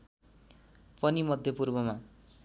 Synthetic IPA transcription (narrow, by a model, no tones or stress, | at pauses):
pʌnimʌd̪ʱjʌpurbʌma